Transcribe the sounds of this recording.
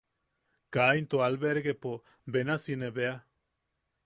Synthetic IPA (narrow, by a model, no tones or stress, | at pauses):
kaint̪oalbeɾɡepo | benasineβea